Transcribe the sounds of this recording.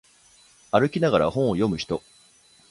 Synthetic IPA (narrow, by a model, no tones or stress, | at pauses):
aɾɯ̟kʲinaɡaɾa̰hõ̞ɰ̃ojo̞mɯ̟çi̥t̪o̞